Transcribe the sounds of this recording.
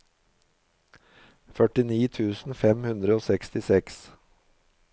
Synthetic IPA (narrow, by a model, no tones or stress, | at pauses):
fœʈɪniːt̪ʰʉːsn̩fɛmhʉnd̪ɾəoːsɛkst̪ɪsɛks